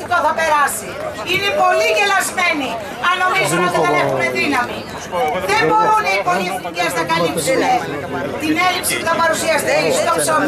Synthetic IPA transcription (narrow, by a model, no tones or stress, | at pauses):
it̪oθɐpe̞ɾɐsiinepo̞liɡelɐzme̞ni | ɐnomizuot̪eɐnexumeðinɐmi | ðeboɾonipolieθniceznɐkɐlipsene | t̪inelipsipuθɐpɐɾusiɐst̪eist̪opson